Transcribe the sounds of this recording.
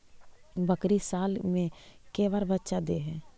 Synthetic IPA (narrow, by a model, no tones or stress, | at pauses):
bəkɾisaːlmẽkeːʋaːɾbətːʃad̪eɦɛ̃ː